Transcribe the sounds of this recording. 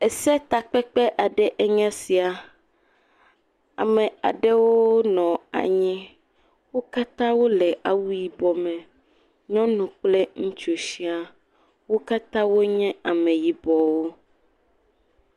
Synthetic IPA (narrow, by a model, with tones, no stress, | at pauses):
ɛ˨sɛ˦t̪a˨k͡pɛ˦k͡pɛ˦ʔa˨ɖɛ˦ʔɛ˦ɲã˦si˨a˨ | a̰˨mɛ̃˨a̰˨ɖɛ˦wo˦nɔ̃˨a̰˨ɲĩ˦ | wo˦ka˦t̪ã˦wo˦lɛ˨ʔa˨wu˦ji˨bɔ˨mɛ̃˨ | ɲɔ̃˦nũ˨k͡plɛ˦ŋũ˦t͡ʃo˨si˦a˨ | wo˦ka˦t̪ã˦wo˦ɲɛ̃˦a˨mɛ̃˨ji˨bɔ˨wo˦